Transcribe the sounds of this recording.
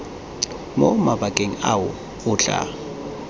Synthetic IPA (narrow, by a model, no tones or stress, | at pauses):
mɔmabakʼeŋawʊ | ʊːt͡ɬʼa̰